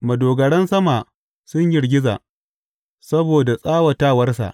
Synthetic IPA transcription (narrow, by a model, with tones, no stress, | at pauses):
mɐ˨doː˨ɡɐ˨ɽɐ˦nsɐ˦maː˨ | sʊ˦ɲjɪ˨rɡʲɪ˦za̰ː˨ʔ | sɐ˦boː˨da˨sʼaː˦wɐ˨taː˦˨wɐ˦rs̬a̰˨ʔ